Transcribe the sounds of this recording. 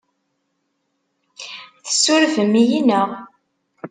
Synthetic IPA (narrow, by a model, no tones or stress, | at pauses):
θə̥sːʊɾfəmijinəʁ